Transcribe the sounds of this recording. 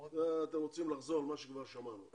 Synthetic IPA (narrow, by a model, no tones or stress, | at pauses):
eat̪emʁot͡simlaχzo̞lmaʃekvaʁʃamanu